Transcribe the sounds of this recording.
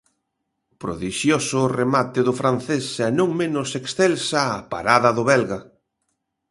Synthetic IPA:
pɾo̰ðiʃjosʊremat̪ɪðʊfɾan̟θesɛnõŋmẽnʊseksθɛlsaːpa̰ɾaðɐðʊβɛlɣa

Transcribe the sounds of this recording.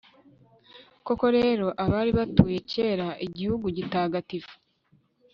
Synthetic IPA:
ko̞ko̞ɾe̞ːɾo̞ʔaβaːɾiβatuːje̞ce̞ːɾaʔiɟihuɡuɟitaːɡatifu̥

